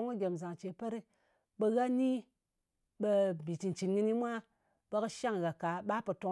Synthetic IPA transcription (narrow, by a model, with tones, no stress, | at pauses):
o˦ŋɨ˦ɡʲe˨mza˨ŋt͡ʃe˨pe˦ɾi˦ | bə˧ɣa˦ni˦ | ɓe˧˨bi˨ti˨n˨t͡ʃi˨nɡɨ˧ni˦mʷa˦ | bə˧kɨ˧ʃa˦ŋɣa˨ka˨ɓa˦po˨to˧˦